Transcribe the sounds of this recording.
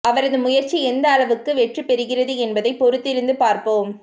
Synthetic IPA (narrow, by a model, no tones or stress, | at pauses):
ɐʋɐɾɐðɯmʊjɐɾt͡ʃiɛnd̪ɐːlɐʋɯkːɯʋɛʈrɯpɛɾɯɣɪrɐðɯɛnbɐðɐɪpɔɾɯt̪ːɪɾɯnd̪ɯpaːɾpoːm